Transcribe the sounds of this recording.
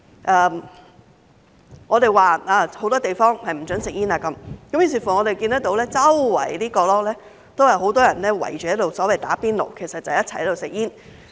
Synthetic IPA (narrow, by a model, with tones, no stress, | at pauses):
ʔɐː˨˧ | ŋɔː˨˧t̪e˨jwaː˨aː˧˩ho˨˥wt̪ɔː˥t̪e˨jfɔː˥ŋhɐ˨jm̩˨˩t͡sɵ˨˥nsɪ˨k̚jiː˥naː˨˧kɐ˨˦mkɐ˨˥mji˨˩s̬iː˨˩fu˨˩ŋɔː˨˧ɾe˨jki˧nt̪ɐ˥kt̪o˨˧˥wlɛː˥t͡sɐ˥wwɐ̰˨˩jliː˥kɔː˧lɔː˥lɛː˥ | t̪o˥whɐ˨˩jɦo˨˥wt̪ɔː˥jɐ˨˩nlɛː˥wɐ̰˨˩jt͡ʃy˨jɛ˨˥lo˨wsɔː˨˥wɐ˨jt̪aː˨˥piː˥nlo̰˨wkʰe˨˩jsɐ˨t̚t͡sɐ˨wjɐ˥tt͡sʰɐ˨˩jhto˨wsɪ˨k̚jiː˥n